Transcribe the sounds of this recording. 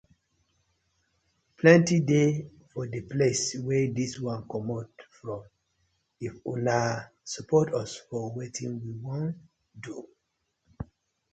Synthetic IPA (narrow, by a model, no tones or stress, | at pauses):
pʰlɛ̃ntide | fɔdəpleswɛdiswãnkɔmɔtfɹɔ̃m | ifũna | supʰɔtɔsfɔwetʰĩnwiwɔ̃nt | du